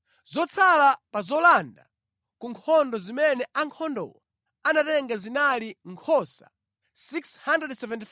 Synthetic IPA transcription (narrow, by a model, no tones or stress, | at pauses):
zɔt͡sʰalapazɔlanda | kuŋkʰɔndɔzimɛnɛʔaŋkʰɔndɔ̰wɔ | anatɛŋɡazinaliŋkʰɔsḁ̰ | sikshandɾɛdsɛvɛntif